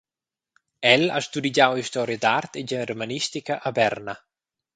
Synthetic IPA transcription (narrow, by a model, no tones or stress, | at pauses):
ɛlast̪ud̪id͡ʒawist̪ɔɾjad̪art̪ed͡ʒɛrmanist̪ikaʔabɛɾna